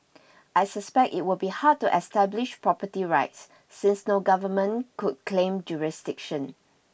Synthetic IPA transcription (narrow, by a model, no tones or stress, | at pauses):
ʔajsəspɛk̚tḭt̚wɪlbihad̚tuʔɛstɛblɪʃpɹɔpətiɹaɪtsː | ɪ̃nsnoɡavəmə̃nkud̚kʰlẽmd͡ʒuɹisdɪkʃə̃n